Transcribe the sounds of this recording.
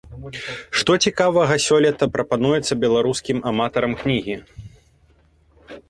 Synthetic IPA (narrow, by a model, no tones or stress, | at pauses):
ʂt̪ɔt͡sʲikavɐɣɐsʲɔlʲɛt̪ɐpɾɐpanujɛt̪sːɐbʲɛlˠaɾuskʲimamat̪ɐɾɐmknʲiɣʲi